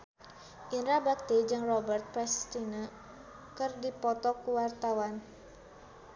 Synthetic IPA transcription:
ʔinɾabak̚t̪id͡ʒɨŋrɔbərt̪̚pɛst̪inə | kɨrdipɔt̪ɔkuwart̪awan

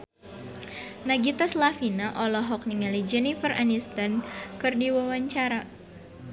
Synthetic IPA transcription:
naɡit̪aslafinaʔɔlɔɦɔk̚niŋalid͡ʒɛnifərʔa̰nist̪ankɨrdiwawaɲt͡ʃaɾa

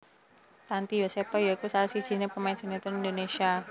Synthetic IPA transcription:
t̪ant̪ijosepajaikusalasid̥ʒ̥i̤nepəmaɪnsenit̪ɔnindonesia

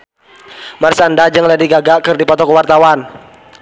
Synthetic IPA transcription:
marsandad͡ʒəŋladiɡaɡakɨrdipɔt̪ɔkəwart̪awan

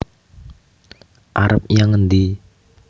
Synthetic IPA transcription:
ʔaɾəp̚jaŋənd̪i

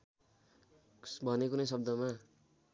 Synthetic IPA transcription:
bʱʌnekunʌjsʌb̚d̪ʌma

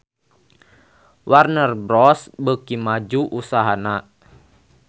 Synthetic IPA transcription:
warnərbɾɔsbəkimad͡ʒuʔusaɦana

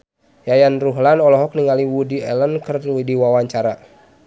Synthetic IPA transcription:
jajanruɦlanɔlɔɦɔk̚niŋaliwudiɛlənkərwidiwawaɲt͡ʃaɾa

